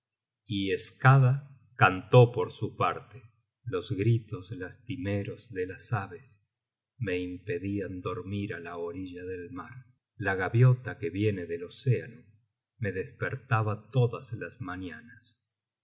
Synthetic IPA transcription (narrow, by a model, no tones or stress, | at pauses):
ieskaða | kant̪o̞po̞ɾsupaɾt̪e | lo̞zɣɾit̪o̞slast̪imeɾo̞zðelasaβes | me̞impe̞ðiand̪o̞ɾmiɾalaoɾiʒaðelmaɾ | laɣaβjo̞t̪akeβje̞neðelo̞seano | me̞ðespeɾt̪aβat̪o̞ðaslazmanjanas